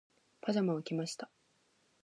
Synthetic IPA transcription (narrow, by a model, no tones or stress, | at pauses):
pʰaʑamaɯkʲimaɕi̥t̪a